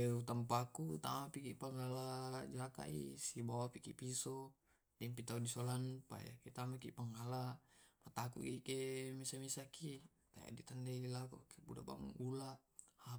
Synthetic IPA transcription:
eut̪ampakut̪a̰mapikiʔpaŋalad͡ʒaka̰ʔḭsibawapikḭpisɔ | dɛmpit̪audisɔlanpa̰ja̰kit̪amakipaŋalapat̪akṵʔɡikemisamisaki | t̪aja̰ʔdit̪andelakṵkebudaʔba̰ŋulaha

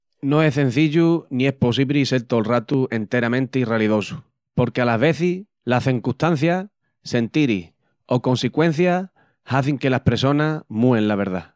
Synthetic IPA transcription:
no̞e̞sθẽ̞n̟θiʎunĩe̞spo̞s̬iβɾise̞ɾt̪o̞lrat̪ue̞nt̪e̞ɾamẽnt̪eiraliðo̞su | po̞ɾke̞alaɦβe̞θi | laθeŋkuht̪an̟θja | se̞nt̪iɾi | o̞ko̞nsikwẽ̞n̟θja | haθiŋke̞lahpɾeso̞namuẽ̞nlaβ̞e̞ɾð̞a

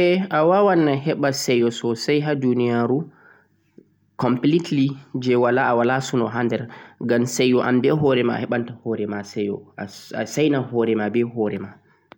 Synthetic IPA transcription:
ɛʔawawanːaɦɛɓasɛjɔsɔsajɦadunijaɾu | kɔmplitlid͡ʒɛwalaawalasunɔɦandɛɾɡamsajɔʔambɛɦɔɾɛmaa̰hɛɓantahɔɾɛmasɛjɔ̰aasajnahɔːɾɛmabɛhɔɾɛma

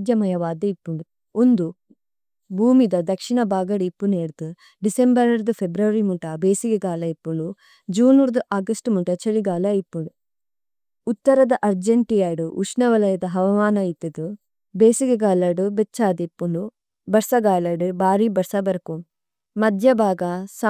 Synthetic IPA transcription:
d̪jɐmɐjɐʋaːd̪ɐipːuɭu | und̪u | bʱuːmid̪ɐd̪ɐkʂiɳɐbaːɡɐɽipːuneːɽt̪u | ɖisembɐɾɐɾd̪upʰebɾɐʋɐɾimuʈɐbeːsiɡɐɡaːlɐipːulu | d͡ʒuːnuɾd̪uʔaːɡɐsʈmuʈɐt͡ʃɐliɡaːlɐipːuɽu | ut̪ːɐɾɐd̪ɐʔɐɾd͡ʒeɳʈijaːɽuʔuʃnɐʋɐlɐjɐd̪ɐɦɐʋɐmaːnɐjit̪ɐd̪u | beːsiɡɐɡaːlɐɽubet͡ʃːaːd̪ipːulu | bɐɾsɐɡaːlɐɖubʱaːɾibɐɾsɐbɐɾɐku | mɐd̪ʱjɐbʱaːɡas

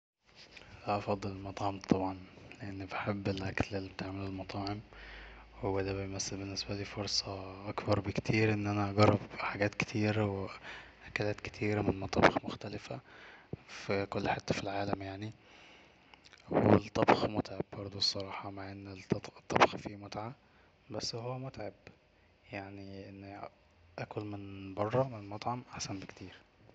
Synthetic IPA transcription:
læʔɑfɑd̪ˤːelelmɑt̪ˤʕɑmt̪ˤɑbʕɑnleʔenːbeħebːelʔæklelːibet̪eʕmellmɑt̪ˤɑːʕem | wed̪æbejmæsːelbenːesbæliːfoɾˤsˤɑʔɑkbɑɾˤbekt̪ʰiːɾʔenːʔænæʔɑɡɑrˤːɑbħaɡæːt̪ke̥t̪ʰiːɾweʔækælæːt̪ke̥t̪ʰiːɾæmenmɑt̪ˤɑbxmoxt̪ælɪfæ | fikolːħet̪ːæfilʕaːlæmjaʕni | wḛlt̪ˤːɑbxmot̪ʕebbɑɾˤd̪ˤosˤːɑɾˤɑːħɑmaʕʔenːet̪ˤːɑbxfimot̪ʕa | bæsːhowːæmot̪ʕeb | jaʕniʔenː | ʔækolmenbɑrˤːɑmennmɑt̪ˤʕɑmʔaħsænbekt̪ʰiːɾ

